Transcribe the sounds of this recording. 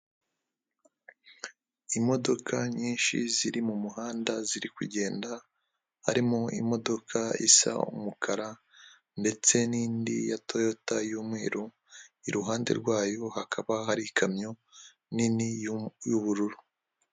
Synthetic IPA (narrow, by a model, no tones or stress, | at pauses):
imo̞do̞kʰaɲiːnʃḭziɾimumuɦaːndaziɾikuɟe̞ːnda | ha̰ɾimoḭmo̞do̞kʰaḭsa̰ṵmukʰaɾa | nde̞t͡se̞niːndḭjatojo̞tajuːmŋe̞ːɾo | iɾuɦaːnde̞̰ɾɡwaːjo̞hakʰaβaɦaɾikʰamɲo̞ | ninijuβuɾuɾu